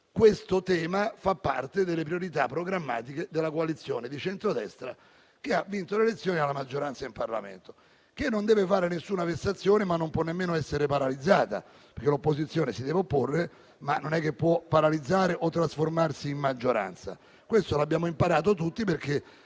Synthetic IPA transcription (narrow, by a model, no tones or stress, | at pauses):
kwest̪ot̪ɛːmafapːart̪ed̪elːepɾioɾit̪apːɾoɡɾamːaːt̪ik̟ed̪elːakoalit̪sːjoːned̪it͡ʃɛnt̪ɾod̪ɛst̪ɾa̰ | k̟eavːint̪olelet̪sːjoːnialːamad͡ʒːoɾant̪saimparla̰mḛnt̪o̥ | k̟enːond̪ɛːvefaːɾenesːuːnavest̪ːat̪sːjoːnemanːompwɔnːemːeːnoɛsːeɾepaɾalid̪zaːt̪a̰ | peɾk̟elopːozit̪sjoːnesid̪ɛːveopːorːe | manːonɛkːepːwɔpːaɾalid̪zːaːɾeʔot̪ːɾasformarsiːmːad͡ʒːoɾa̰nt̪sa̰ | kwest̪olabjaːmoimpaɾaːt̪̬ot̪ut̪ːiperke